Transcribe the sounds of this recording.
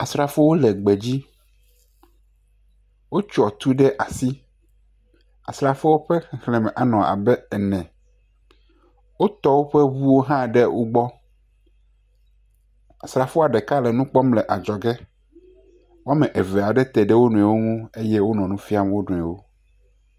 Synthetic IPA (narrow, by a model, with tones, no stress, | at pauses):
a˨sɾa˨fo˦wo˦lɛ˨ɡ͡be˨d͡ʑi˦ | wo˦t͡ʃɔ˨t̪u˦ɖe˦ʔa˨si˦ | a̰˨sɾa˨fo˦wo˦ɸɛ˦xxle˨mɛ˨ʔa˨nɔ̃˨ʔa̰˨bɛ˦ɛ˨nɛ̃˨ | wo˦t̪ɔ˦wo˦ɸe˦bu˦wo˦ɦã˦ɖe˦wʔo˦ɡ͡bɔ˦ | a˨sɾa˨fo˦a˨ɖɛ˨ka˦lɛ˨nũ˦k͡pɔ˦mlɛ˨ʔa˨d͡ʒɔ˨ɡɛ˦ | wo˦a˦mɛ̃˨ʔe˨ve˨a˨ɖe˦t̪ɛ˨ɖe˦wo˦nũ˨ɛ˨wo˦ŋũ˦e˦jɛ˦wo˦nɔ̃˨nũ˦fi˦a˦m˦wo˦ɖũ˨ɛ˨wo˦